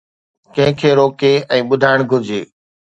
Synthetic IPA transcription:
kɐ̃ɦɪ̃kʰeːɾoːkeɛ̃ːɓʊd̪ʱaːɪɽ̃ɡʱʊɾd͡ʑeː

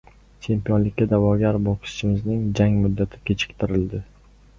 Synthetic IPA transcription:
t͡ʃʰe̞mpijɒnlɪkʲːad̪avɒɡʲaɾbɒqʰɨ̥ʃt͡ʃɪmɪznɪŋd͡ʒaŋmʊd̪ːat̪ʰɪ̥kʲʰe̞t͡ʃʰɪ̥kʲt̪ʰɪɾɪld̪ɪ

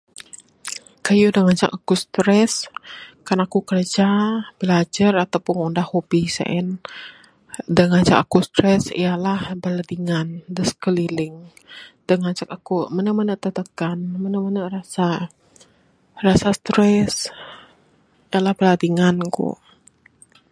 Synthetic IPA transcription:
kajudəŋat͡ʃa̰kakust̪ɾɛskanakukərd͡ʒabilad͡ʒarat̪awpuŋundahhobisa̰ʔɛn | dəŋaɲt͡ʃakakust̪ɾɛsḭjalahbəladiŋandəskəlilɪŋ | d̥əŋat͡ʃakakumənəmənəʔt̪ət̪əkanmənəmənərasa | rasast̪ɾɛs | ijalahbəladiŋankṵ

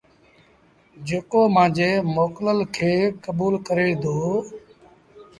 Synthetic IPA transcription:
d͡ʒeːkoːmãːd͡ʒeːmoːkləlkʰeːkəɓuːlkəɾeːd̪oː

